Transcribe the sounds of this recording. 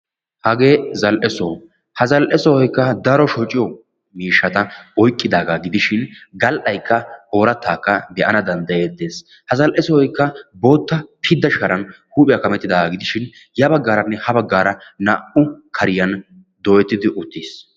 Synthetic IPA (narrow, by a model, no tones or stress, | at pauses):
hɐɡe̞ːzɐlʔɛsɔː | hɐzɐlʔɛsɔhɔjkːɐd̪ɐɾɔʃɔt͡ʃʼːɪjɔ | miːʃːɐt̪ɐɔjkʼːɪd̪aːɡaːɡɪd̪ɪʃɪnɡɐlʔɐjkːɐhoːɾɐt̪ːaːkːɐbɛʔɐnɐd̪ɐnd̪ɐje̞ːd̪ːeːs | hɐzɐlʔɛsɔhɔjkːɐbo̞ːt̪ːɐpʰɪd̪ːɐʃɐɾɐnhuːpʼɪjɐkɐmɛt̪ːɪd̪aːɡaɡɪd̪ɪʃɪn | jɐbɐɡːaːɾɐnːɛhɐbɐɡːaːɾɐnaːʔʊkʰɐɾɪjɐn | d̪ɔjɛt̪ːɪd̪ɪʔʊt̪ːis